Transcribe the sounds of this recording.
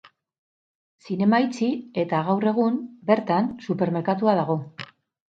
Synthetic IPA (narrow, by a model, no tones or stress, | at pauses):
sine̞majt͡sie̞t̪aɣawre̞ɣ̞umbe̞ɾt̪ansupe̞ɾme̞ɾkat̪uað̞aɣ̞o̞